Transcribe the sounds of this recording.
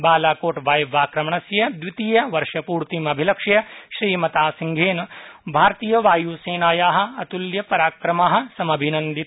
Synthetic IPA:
baːlaːkoːʈʋaːjʋaːkɾɐmɐɳɐsjɐd̪ʋit̪iːjɐʋɐɾʃɐpuːɾt̪imɐbʱilɐkʂɐjɐʃɾiːmɐt̪aːsiŋɡʱeːnɐbʱaːɾt̪iːjɐʋaːjuːseːnaːjaːɦɐ̆ɐt̪uljɐpɐɾaːkɾɐmaːɦɐ̆sɐmɐbʱinɐnd̪i

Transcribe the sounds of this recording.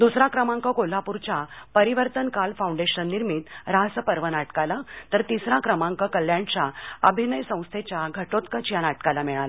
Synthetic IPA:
d̪usɾakɾəmãŋkəkol̤ːapuɾt͡ɕapəɾiʋəɾt̪ənkalfaũɳɖeɕənːiɾmit̪ɾaɦsəpəɾʋənaʈkalat̪əɾt̪isɾakɾəmãŋkəkəljãɳt͡ɕaəbʱinəjsə̃w̃st̪ʰet͡ɕjaɡʱəʈot̪kət͡ɕjanaʈkalamɛɭala

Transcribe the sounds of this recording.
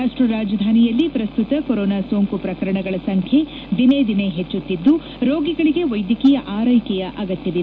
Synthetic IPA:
aːʂʈɾɐɾaːd͡ʒɐd̪ʱaːnijɐlːipɾɐst̪ut̪ɐkoɾoːnaːsoːŋkupɾɐkɐɾɐɳɐɡɐɭɐsɐŋkʰe̞ | d̪ined̪ine̞ɦet͡ʃːut̪ːid̪ːu | ɾoːɡiɡɐɭiɡe̞ʋɐjd̪jɐkijɐʔaːɾɐjkɛjɐʔɐɡɐt̪jɐʋi

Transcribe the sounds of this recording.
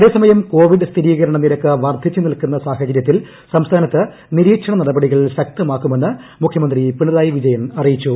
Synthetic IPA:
ɐðe̞ːsɐmɐjɐmko̞ːʋiɖɨst̪ʰiɾiːɣɐɾɐɳɐnːilɐkːɨʋɐrd̪ʱit͡ɕːɨnilkunːɐsaːhɐd͡ʑɐɾjɐt̪̬ːil | sɐmst̪ʰaːnɐt̪ːɨ | niɾiːkʂɐɳɐnɐɽɐbɐɽiɣɐɭɕɐk̚t̪ɐmaːkːume̞nːɨmukʰjɐmɐnd̪ripiɳɐðaːjiʋid͡ʑɐjɐnɐrijit͡ɕːu

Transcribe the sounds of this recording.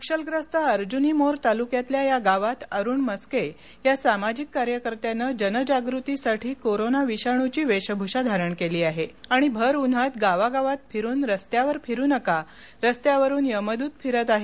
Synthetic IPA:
əkʂəlɡɾəst̪aəɾd͡ʑunimoɾt̪alukjat̪ljajaɡaʋat̪əɾuːɳməske | jasamad͡ʑikːaɾjəkəɾt̪janəd͡ʑənəd͡ʑaɡɾut̪isaʈʰiːkoɾonaʋiɕaɳ̃ut͡ɕiːʋeɕəbʱuɕad̪ʱaɾəɳkeliːaɦeaɽ̃ibʱəɾun̤at̪ɡaʋaɡaʋat̪̚fʰiɾuːnɾəst̪jaʋəɾfiɾuːnəka | ɾəst̪jaʋəɾuːnjəməd̪uːt̪fʰiɾət̪aɦe

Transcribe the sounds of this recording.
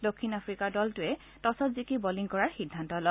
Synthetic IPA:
dokʰːinapɹikaɹdɔltʊɛ | tɔsɔtzikibɔliŋkɔɹaɹxidʱːantɔlɔ

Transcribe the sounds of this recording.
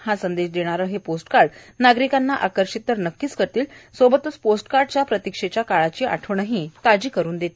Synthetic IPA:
ɦasənd̪eɕd̪eɽ̃aɾəːɦeposʈkaɾɽnaɡɾikanːaʔakəɾʂit̪ːəɾnəkːiːskəɾt̪iːlsobət̪ut͡sposʈkaɾɖt͡ɕjapɾət̪ikʂet͡ɕjakaɭat͡ɕiːʔa̰ʈʰəʋɳəɦiːt̪ad͡ʑiːkəɾuːnd̪et̪e

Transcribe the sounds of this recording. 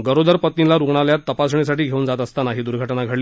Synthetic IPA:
ɡəɾod̪əɾpət̪nilaɾuɡɳaljat̪ːəpasɳ̃is̬aʈiːɡʱeuːnd͡zat̪əst̪anaɦiːd̪uɾɡʱəʈnaɡʱəɽliː

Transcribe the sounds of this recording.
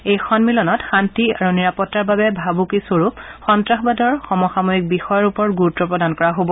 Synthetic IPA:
ejxʰɔnmilɔnɔtxantia̰ɹuniɹapɔtːaɹbabɛbʱabukisoɹupxɔntɹaxbadɔɹxɔmɔxamojik̚bixɔjɔɹupɔɹɡuɹutːɔpɹɔdankɔɹaɦobɔ

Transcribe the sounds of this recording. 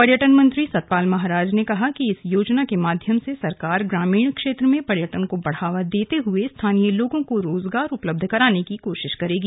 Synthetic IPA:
pɐɾjəʈənmɐ̃nt̪ɾisɐt̪̚paːlmɐɦaɾaːd͡ʒnekɐɦakiɪsjoːd͡ʒnakemaːd̪ʱjəmsesɐɾkaːɾɡɾaːmiːɳkʃeːt̪ɾəmẽpɐɾjəʈənkobɐɽ̤aːʋad̪eːt̪eɦʊest̪ʰaːnijəloːɡõkoɾoːzɡaːɾʊpləb̚d̪ʱkɐɾaːnekikoːʃɪʃkɐɾeːɡi

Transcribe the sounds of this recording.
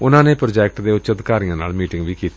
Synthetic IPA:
ʊnãːneːpɾod͡ʒɛːk̚ʈd̪eːʊt͡ʃəd̪kaːɾijãːna̰ːlmiːʈɪŋɡʋiːkiːt̪

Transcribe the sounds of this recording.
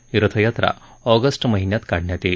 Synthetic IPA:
ɾət̪ʰəjat̪ɾa̰ | ɔɡəsʈməɦinjat̪kaɽ̤ɳjat̪e

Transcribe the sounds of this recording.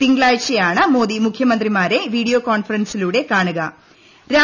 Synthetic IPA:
t̪iŋɡɭaːjt͡ʃejaːɳɐmo̞ːd̪imukʰjɐmɐnd̪rimaːɾe̞ʋiːɽijoːkaːɳfɐɾɐnsiluːɽe̞kaːɳɨɡɐ | ɾaː

